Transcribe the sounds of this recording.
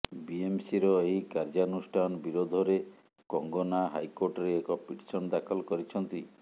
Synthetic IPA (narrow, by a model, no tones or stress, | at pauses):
biemsiɾɔeɦikaɾd͡ʒaɔnusʈʰanɔbiɾod̪ʱɔɾe | kɔŋɡɔnaɦajkoɾʈɔɾeːkɔpiʈi̥sɔnɔd̪akʰɔlɔkɔɾit͡ʃʰɔnt̪i